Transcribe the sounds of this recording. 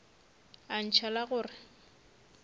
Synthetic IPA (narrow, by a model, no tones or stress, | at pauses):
an̩t͡ʃʰalaɣʊːrɪ